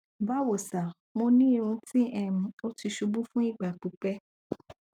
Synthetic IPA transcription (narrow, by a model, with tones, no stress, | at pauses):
va˦wo˨sa˨ | mõ˧nĩ˦˨nũ˦ti˦ʔɛ˨m̩̃˨˦o˦ti˧ʃu˧bũ˦fũ˦i˦ɡ͡ba˨k͡pu˨˦k͡pɛ˦